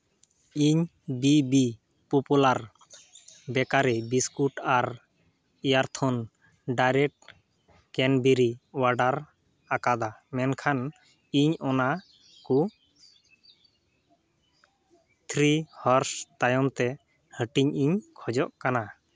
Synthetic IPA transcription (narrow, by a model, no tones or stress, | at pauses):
iɲ | bibi | pɔpulaɾ | bɛkaɾibiskuʈaɾ | ijaɾt̪ʰɔn | ɖajɾɛʈ̚ | kɛnbiɾiwaɖaɾ | akad̪amɛnkʰan | iɲɔna | ku | t̪ʰɾihɔɾst̪ajɔmt̪ɛ | həʈiɲiɲkʰɔd͡ʒɔʔkana